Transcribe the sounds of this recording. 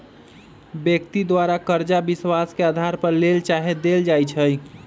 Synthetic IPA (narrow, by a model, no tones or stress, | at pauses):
bjək̚t̪id̪waɾakəɾd͡ʒabiswaskead̪ʱaɾpəɾlelt͡ʃaɦed̪eld͡ʒajt͡ʃʰəj